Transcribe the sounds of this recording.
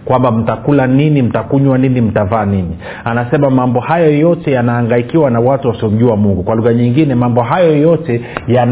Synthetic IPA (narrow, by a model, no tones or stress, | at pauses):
kwambam̩takulaninim̩takuɲwaninim̩tavaːnini | anasɛmamambɔhajɔjɔtɛjanaːŋɡaikiwanawatuwasiɔm̩ʄuamuŋɡukwaluɣaɲiŋɡinɛmambɔɦajɔjɔtɛjan